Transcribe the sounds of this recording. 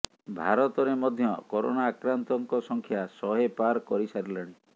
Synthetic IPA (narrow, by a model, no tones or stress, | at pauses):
bʱa̰ɾɔt̪ɔɾemɔd̪ʱjɔkɔɾo̰naːkɾant̪ɔŋkɔsɔŋkʰjasɔɦepaɾkɔɾisaɾilaɽ̃i